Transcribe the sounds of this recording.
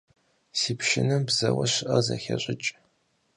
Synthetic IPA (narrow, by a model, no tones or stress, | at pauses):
siːpʃɪnɨmbzɐwɐɕɪʔɐzɐxʲɐɕʼɪt͡ʃʼ